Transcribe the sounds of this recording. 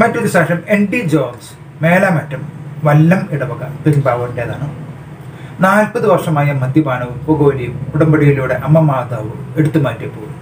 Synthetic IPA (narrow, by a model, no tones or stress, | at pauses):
mɐtːɐkɐɕaːʂɐmeɳɖid͡ʑoːns | meːlaːmɐtːɐmʋɐlːɐmeɽɐʋɐɣɐt̪ibaːʋɐrndeðɐnɐ | naːlpɐðɨʋɐrʂɐmaːjɐmɐd̪jɐbaːnɐʋupːɐɣo̞ːlijumpuɽɐmbɐɽijiluːɽeʔɐmːɐmaːd̪aːʋɨeɽut̪ːumaːtːepːoː